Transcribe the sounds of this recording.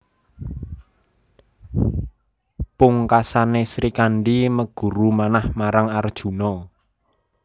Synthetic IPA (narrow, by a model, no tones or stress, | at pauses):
puŋkasanesɾikaɳɖiməɡ̥ṳɾumanahmaɾaŋard̥ʒ̥ṳnɔ